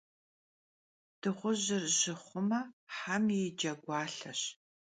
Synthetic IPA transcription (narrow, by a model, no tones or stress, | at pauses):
d̥ɨʁʷʊʑɪrʒɪχʷʊmɐħamjed͡ʒɐɡʷɑːɬɐɕ